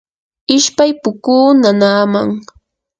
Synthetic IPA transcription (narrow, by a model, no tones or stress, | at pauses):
ɪʃpajpʊkuːnanaːmaŋ